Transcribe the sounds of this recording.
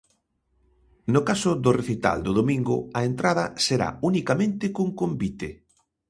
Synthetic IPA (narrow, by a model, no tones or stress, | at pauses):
nʊkasʊðʊreθit̪a̰ld̪ʊðomĩŋɡʊ̰ɐent̪ɾað̞ɐseɾa̰unikamẽnt̪ɪkoŋkombit̪e